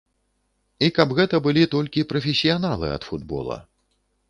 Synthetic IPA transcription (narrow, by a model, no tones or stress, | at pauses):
ikɐbɣɛt̪ɐbɨlʲit̪ɔlʲkʲipɾɐfʲesʲijanalˠɨ̰ɐ̰t̪fud̪bɔ̰lˠɐ̰